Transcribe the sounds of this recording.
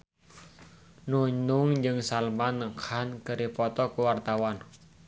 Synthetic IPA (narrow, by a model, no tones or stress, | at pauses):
nuɲʊŋd͡ʒɨŋsalmanːəkʰankəɾipɔt̪ɔkuwart̪awan